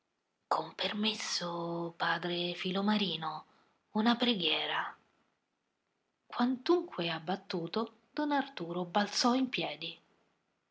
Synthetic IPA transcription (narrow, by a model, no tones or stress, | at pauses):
kʰompermesːopaːd̪ɾefilomaɾiːno | unapɾeɡjɛːɾa | kwant̪uŋkʰweabːat̪ːuːt̪o | d̪ɔnart̪uːɾobalt̪sɔimpjɛːd̪i